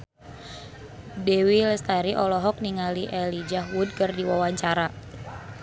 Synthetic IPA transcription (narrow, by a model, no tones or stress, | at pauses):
dɛwiləst̪aɾiʔɔlɔɦɔk̚niŋaliʔɛlid͡ʒaɦwud̚kərdiwawaɲt͡ʃaɾa